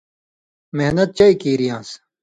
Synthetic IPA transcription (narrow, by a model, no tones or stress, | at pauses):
meɦnɐt̪̚t͡ɕɐikiːɾijãːs